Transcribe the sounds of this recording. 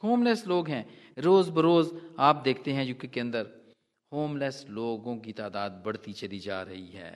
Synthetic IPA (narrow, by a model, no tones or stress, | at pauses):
hoːmlɛːsloːɡɦɛ̃ː | ɾoːzbɐɾoːzaːp̚d̪eːkʰt̪eɦɛ̃d͡ʒõːkekeɐ̃nd̪əɾ | hoːmlɛːsloːɡõkit̪aːd̪aːd̪̚bɐɽ̤t̪it͡ʃɐlid͡ʒa̰ːɾɐɦiɦɛ̰ː